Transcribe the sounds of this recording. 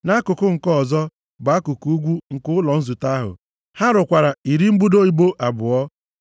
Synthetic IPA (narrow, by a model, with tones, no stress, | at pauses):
na˦kʊ˨kʊ˦ŋ̩˨kɔ˦˨zɔ˦ | ɡ͡ba˨˦a˦kʊ˨ku˦u˦ɡʷu˦ŋ̩˨kʊ˦lɔ˨n̩˦zu˨ta˦ɦʊ̰˨ | ha˦ɾʊ˨kʷa˨ɾa˨i˨ɾi˦m̩˦bu˦do˦i˨bo˦ʔa˨bʊ˨ɔ˦